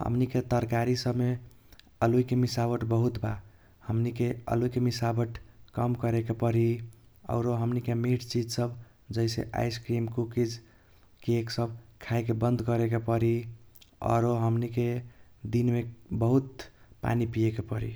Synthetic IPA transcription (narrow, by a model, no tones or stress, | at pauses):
ɦə̰mniket̪əɾkaɾisəbme | əlujkemisabəʈbəɦut̪ba | həmnikeə̰lujkemisabəʈkəmkəɾekepəɾiɔ̰ʊɾoɦəmnikemeʈt͡ʃid͡ʒsəb | d͡ʒəjsḛʔa̰jskɾimkukid͡ʒ | keeksəbkʰajkebənd̪ʱkəɾekepəɾi | ɔ̰ɾoɦəmniked̪inmebəɦut̪pa̰nipijekepəɾḭ